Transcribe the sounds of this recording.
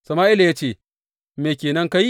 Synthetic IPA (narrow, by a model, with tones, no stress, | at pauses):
sɐ˨maː˦ʔɪ˦la˨jaː˦t͡ʃeː˦˨ | meː˨kʲeː˨nɐ˦ŋka˦ji˦